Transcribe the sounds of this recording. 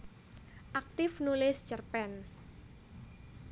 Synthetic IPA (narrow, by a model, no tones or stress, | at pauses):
ʔak̚t̪ɪfnulɪst͡ʃərpɛn